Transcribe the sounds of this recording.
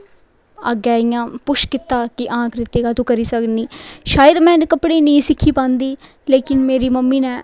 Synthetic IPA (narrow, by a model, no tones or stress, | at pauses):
aːɡɛːijãːpʊʃkɪt̪ːaːkɪʔãːkʰɾɪt̪eːɡaːt̪ũːkəɾiːsəkniːʃaːjəd̪mɛ̃ːnkəpɽeːnĩːsɪkʰːiːpãːnd̪iː | leːkɪnmeːɾiːməmːiːnɛ̃ː